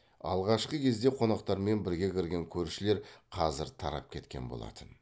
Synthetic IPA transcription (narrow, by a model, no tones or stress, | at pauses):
ɑ̰lˠʁɑʃqəkʲʰe̞zd̪e̞qʰo̞nɑqt̪ɑɾme̞nbɪɾɡʲe̞kʲʰɪɾɡʲe̞ŋkʲʰɵɾʃɪle̞ɾqʰɑzɪɾt̪ʰɑɾɑ̰p̚kʲʰe̞t̪kʲe̞̰nbo̰lˠɑ̰t̪ən